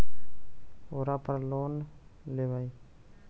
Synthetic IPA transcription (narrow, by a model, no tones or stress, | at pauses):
oɾapɾloːnleʋaj